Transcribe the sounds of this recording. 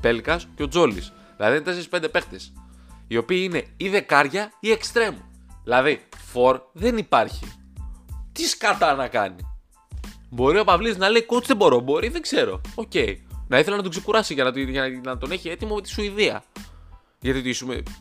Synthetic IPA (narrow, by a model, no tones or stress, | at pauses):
pe̞lkɐsceo̞d͡zo̞lḭs | ðilɐðienet̪e̞seɾispe̞nd̪epe̞xt̪e̞s | io̞piiine̞iðekɐɾʝɐie̞kst̪ɾe̞muðilɐðifo̞ɾðe̞nipɐɾçḭ | t̪iskɐt̪ɐnɐkɐ̰ni | bo̞ɾio̞pɐvlitznɐle̞iot̪ðebo̞ɾo̞bo̞ɾiðe̞ɡze̞ɾo̞̰oce̞inɐiθelɐnɐt̪ukse̞kuɾɐsiʝɐnɐt̪ʝɐnɐt̪o̞ne̞çie̞t̪imome̞t̪i̥suiðiɐ̰ | ʝɐt̪it̪isumḛ